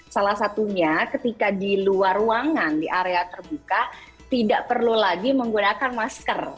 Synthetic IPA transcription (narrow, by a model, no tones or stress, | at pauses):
salahsat̪uɲakət̪ikadiluaruaŋandiʔaɾeat̪ərbuka | t̪idaʔpərlulaɡiməŋɡunakanmaskər